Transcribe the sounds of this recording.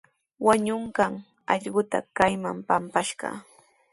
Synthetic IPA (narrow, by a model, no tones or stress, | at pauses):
waɲʊɴkaŋ | ɑʎɢʊt̪a̰kajma̰mpampaʃɢɑ̰